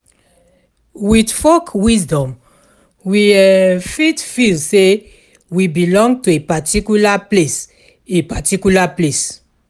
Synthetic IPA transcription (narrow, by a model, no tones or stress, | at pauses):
widfɔkwisdɔ̃m | wiɛfitfilse | wibilɔ̃ŋɡtuepatikulaples | epatikulaples